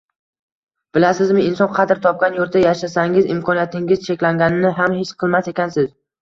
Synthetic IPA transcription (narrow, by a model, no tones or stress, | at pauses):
b̥ɪlasɪzmɪɪnsɒnqʰɑd̪ɪɾt̪ʰɒp̚kʲanjoɾt̪d̪ajaʃasaŋɪzɪmkʰɒnijat̪ʰɪŋʲɪz̥t͡ʃʰe̞kʲlaŋɡʲanɪnɪɦamhet͡ʃqʰɨlˠmase̞kʲansɪz